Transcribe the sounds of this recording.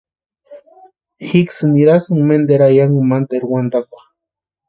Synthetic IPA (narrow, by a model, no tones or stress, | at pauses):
xiksɨniɾasɨŋmend̪eɾajaŋɡumant̪eɾwand̪akʷḁ